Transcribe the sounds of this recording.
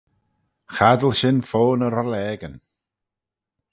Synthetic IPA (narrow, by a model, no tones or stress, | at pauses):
χadəlˠʃɪnfoːnəɾɔlɛːɡən